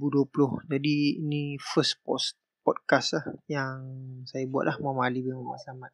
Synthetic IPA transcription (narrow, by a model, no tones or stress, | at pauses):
buduəpulʊhd͡ʒadiːnifəspɔs | pɔt̚kaslahjaŋsajabua̰ʔlahmamalibəŋama̰samat̪̚